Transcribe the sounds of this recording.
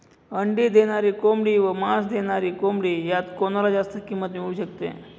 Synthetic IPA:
əɳɖiːd̪ʱeɽ̃aɾiːkomɽiːʋəmasd̪ʱeɽ̃aɾiːkomɽiːjat̪konɾad͡zast̪əkimːət̪miɭuːɕəkt̪ḛ

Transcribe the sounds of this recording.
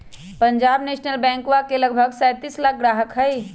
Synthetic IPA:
pəɲd͡ʒabnesnəlbɛ̃ŋkwakeləɡ̚bʱəɡsajt̪islak̚ʰɡɾaɦəkɦəj

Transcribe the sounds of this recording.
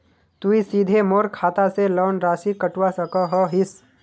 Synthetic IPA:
t̪uisiːd̪ʱemoːɾkʰaːt̪aselɔːnɾaːsikəʈwasəkɔɦɔɦɪs

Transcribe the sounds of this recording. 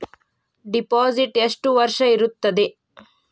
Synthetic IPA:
ɖipaːziʈeʂʈuʋɐɾʂɐiɾut̪ːɐd̪e

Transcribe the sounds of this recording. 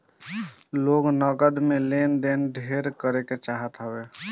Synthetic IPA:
loɡnəɡəd̪melend̪enɖʱeɾkəɾeket͡ʃaɦət̪ɦəbe

